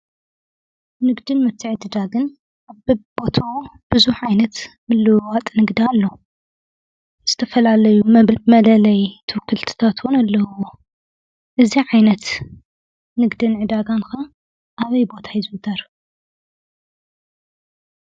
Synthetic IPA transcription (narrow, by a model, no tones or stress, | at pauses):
nɨɡd̪ɨnmɨt̪ʰːɨʕɨd̪ɨd̪aɡɨn | ʔaβbɨbo̞t̪ʰawub̥ɨzuħʕajnɐt̪mɨlːɨwat̪ʼnɨɡd̪ialːo̞ | z̥ɨt̪ʰɐfɐlalɐjumɐlɐlɐjt̪ʰɨwkʰːɨlt̪ʰɨ̥t̪ʰat̪wʊnalːɐwo | ʔɨziʕajnɐt̪ | nɨɡd̪ɨnʕɨd̪aɡanka | ʔaβɐjbo̞t̪ʰajɪzɨɨt̪ʰɐɾ